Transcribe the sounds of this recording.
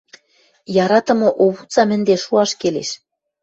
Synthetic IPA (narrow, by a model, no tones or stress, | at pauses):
jɑɾɑt̪ɤ̆mɤ̆ʔoβut͡sɑmɘ̆nd̪eʃuɑʃkeleʃ